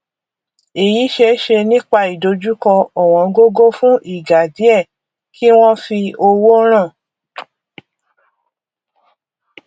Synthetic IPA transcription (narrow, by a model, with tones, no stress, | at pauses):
e˨ji˨˦ʃe˧˦ʃe˧nĩ˦k͡pa˧i˨do˧d͡ʒu˦kɔ̃˧ɔ˨w̃ɔ̃˧ɡo˦ɡo˦fũ˦ʔi˦˨ɡa˨di˨˦ɛ˦˨ | ki˦w̃ɔ̃˦fi˧o˧wo˦ɾ̃ã˦˨